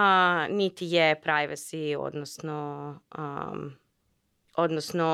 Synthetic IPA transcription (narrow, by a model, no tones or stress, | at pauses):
nit̪ijepɾajʋesio̰d̪nosno | od̪nosno